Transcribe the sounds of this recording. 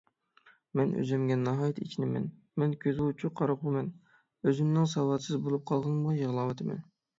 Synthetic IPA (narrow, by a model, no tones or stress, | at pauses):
mɛnø̰zɛmɡʲɛnːɑɦɑːjit̪ʰit͡ʃʰinɪmɛ̰n | mɛnkʲʰøzɪut͡ʃʰuqʰɑɾɑqʰʊmɛn | øzymnɪŋsɑwɑt̪sɨzbolˠup̚qʰɑlˠʁɑnmʊjəʁlˠɑːwɑt̪ʰɨmɛ̰n